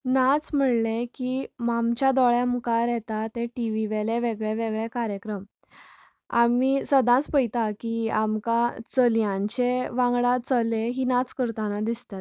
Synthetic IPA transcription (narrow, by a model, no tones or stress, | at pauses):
nat͡sm̤əɽlekimamt͡ɕad̪ɔɭjamukaɾjɛt̪at̪eʈiʋiʋeleʋeɡɭeʋeɡɭekaɾjəkɾəm | a̰misəd̪ãt͡spəjt̪akiamkat͡səljãɲt͡ɕeʋãŋɡɽat͡səleɦiːnat͡skəɾt̪anad̪ist̪at̪